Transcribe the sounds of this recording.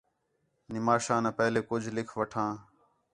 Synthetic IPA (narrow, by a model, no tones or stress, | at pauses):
nɪmaːʃãːnaːpɛɦleːkʊd͡ʒʱlɪkʰʋəʈʰãː